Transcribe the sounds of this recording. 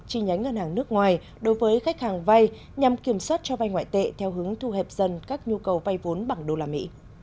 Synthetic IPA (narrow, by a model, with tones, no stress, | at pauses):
t͡ɕi˧˩ɲa˨˦ŋ̟ŋə˧nhɦaː˨˩ŋnɨ˦˥ək̚ŋwaː˨˩j | ɗo˨˦jvəː˨˦jxa˦˥jk̚haː˨˩ŋva˧j | ɲa˨˩mki˧˩əmswaː˦˥t̚t͡ɕɔ˧va˧jŋwa̰ː˧˨jt̪ḛ˧˨t̪ʰɛ˧wɦɨ˨˦əŋt̪ʰu˧ɦɛ˨˩p̚zə˧˩nkaː˦˥k̚ɲu˧kə˨˩wva˧jvo˨˦nɓa˧˩ŋɗo˧laː˨˩mḭ˧˥